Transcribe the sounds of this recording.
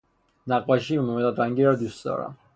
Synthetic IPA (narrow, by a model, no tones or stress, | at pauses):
naqʼwaʃimɔmɛt̪ad̪ɾaŋɡiɾad̪isɔ̰ɾa̰